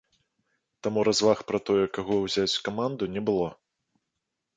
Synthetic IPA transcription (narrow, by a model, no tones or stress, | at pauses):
t̪amuɾazvaxpɾɐt̪ɔjɛkaɣɔwzʲat͡sʲkamand̪unʲɛbɨlˠɔ